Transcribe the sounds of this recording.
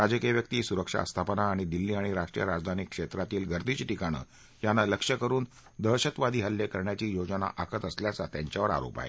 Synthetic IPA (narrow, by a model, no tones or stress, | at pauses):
ɾad͡zəkijeʋjək̚t̪iːsuɾəkʂa̰əst̪ʰapənaːɽ̃id̪ilːiːaɽ̃iɾaʂʈɾḭjəɾad͡zd̪ʱanikʂet̪ɾat̪iːlɡʱəɾd̪it͡ɕiʈikaɽ̃ə̰ː | janːaləkʂəkəɾuːn | d̪əɕət̪ʋad̪ʱiːɦəlːjekəɾɳjat͡ɕiːjod͡zəna̰ʔakʰət̪əsljat͡sat̪jaɲt͡ɕjaʋəɾa̰ɾo̰pa̰ɦḛ